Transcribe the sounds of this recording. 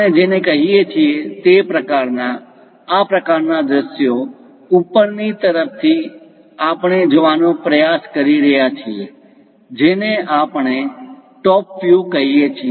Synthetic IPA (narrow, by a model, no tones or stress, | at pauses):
əned͡ʒenekəɦijet͡ʃʰiet̪epɾəkaɾnaː | pɾəkaɾnad̪ɾəʃjo | upːəɾnit̪əɾəp̚ʰt̪ʰi | apɳ̃ed͡ʒəʋanopɾəjaskəɾiɾəɦjat͡ʃʰie | d͡ʒeneapɳ̃eʈɔpfjukəɦiet͡ʃʰie